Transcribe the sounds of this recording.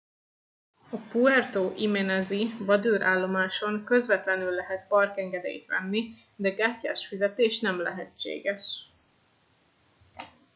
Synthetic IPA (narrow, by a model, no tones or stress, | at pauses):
ɒpuɛrt̪oːʔimɛnɛzivɒd̪øːɾʔaːlːo̞maːʃo̞ŋkø̞zvɛt̪lɛnylːɛɦɛt̪̚pɒrkɛŋɡɛd̪ḛːjt̪ʋɛ̰nːi | d̪ɛɡaːcːaːʃfizɛt̪eːʃnɛmlɛ̰ɦɛt͡ʃḛːɡɛʃ